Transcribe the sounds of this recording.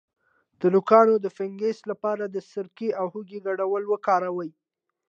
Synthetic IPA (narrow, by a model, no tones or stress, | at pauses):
d̪̥əlʊkɑnod̪əfɪŋɡeslapɑɾad̪əsəɾkeawhuɡeɡaɽawəlwəkɑɾawəj